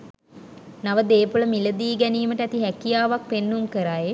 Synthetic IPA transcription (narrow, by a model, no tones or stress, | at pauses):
naʋəd̪eːpuləmiləd̪iːɡɛniːməʈəæt̪iɦækijaːʋak̚penːumkəɾaːje